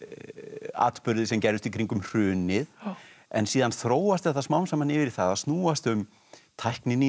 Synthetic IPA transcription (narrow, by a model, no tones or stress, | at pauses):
a̰ːt̪pʏɾðɪsɛmcɛɾðʏst̪ikʰɾiŋkʏmr̥ʏːnɪðɛ̰nsiːðanθɾoːwast̪ɛht̪asmawnsamanɪvɪɾi̥θaðast̪nuːast̪ʏm | t̪ʰajhknɪnɪ